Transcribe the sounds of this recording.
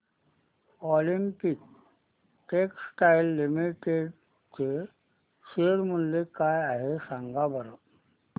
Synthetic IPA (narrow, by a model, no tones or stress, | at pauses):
ɔlimpik̚ | ʈeksʈailːimiʈeɖ | t͡ɕe | seɽmulːekajaɦesãŋɡabəɾə